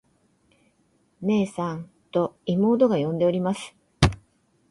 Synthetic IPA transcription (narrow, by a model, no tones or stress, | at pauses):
ne̞ːsãn | t̪o̞imo̞ːd̪o̞ɡajõ̞nd̪e̞o̞ɾʲimasɨ̥